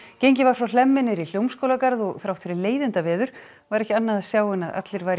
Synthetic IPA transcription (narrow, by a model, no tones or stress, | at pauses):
cejɲcɪvaɾ̥fɾawl̥ɛmːɪnɪɾil̥jowmskowlakaɾðɔɣθɾawt̪fɪɾɪleːjðɪnt̪avɛːðʏɾ̥ | vaɾɛhcɪanːaðasjaːwɪnaðʔa̰t̪lɪɾvajɾ